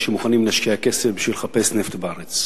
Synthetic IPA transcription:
ʃemuχanimlaʃkiakesefbiʃvilχape̞sneft̪baaʁet͡s

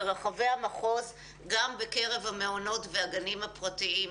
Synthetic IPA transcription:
ʁaχave̞hamaχo̞z | ɡambeke̞ʁe̞vhameono̞tveaɡanimhapʁatii

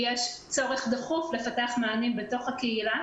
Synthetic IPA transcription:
jeʃ | t͡so̞ʁe̞χd̪eχufle̞fateaχmaːnimbe̞to̞χhakeila

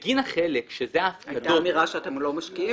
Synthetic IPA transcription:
ɡinaχelekʃezeafkadumiʁaʃeatemlo̞maʃkii

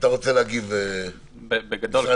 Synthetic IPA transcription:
t̪aʁot͡seleaɡive | bebeɡad̪ol

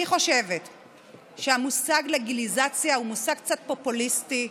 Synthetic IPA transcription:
iχo̞ʃevet | ʃeamusaɡleɡilizat͡sjaumusaɡ̚k̚t͡sat̚po̞pulisti

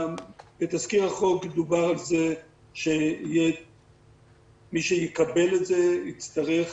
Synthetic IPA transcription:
bet̪askiʁaχo̞ked̪ubaʁalze | ʃeije | miʃejekabeletzeit͡st̪aʁeχ

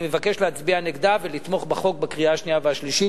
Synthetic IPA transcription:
mevake̞ʃleat͡sbianeɡd̪avelit̪mo̞χbeχo̞k̚bekʁiaːʃniaveaʃliʃi

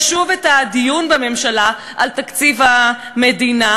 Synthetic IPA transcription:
ʃuvetadijunbame̞mʃala | ʔalt̪akt͡sivamedina

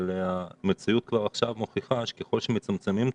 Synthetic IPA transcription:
leamet͡siut̪̚kvaʁaχʃavmo̞χiχaʃe̥keχo̞lʃemet͡samt͡semim

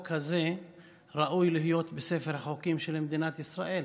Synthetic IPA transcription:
kʰaze | ʁaʔujlihijo̞t̪besefeɾhaχokimʃelmed̪inat̪isʁaʔe̞l

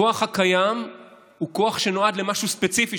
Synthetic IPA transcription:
oaχhakajam | huko̞aχʃe̞no̞adlemaʃuspet͡sifi

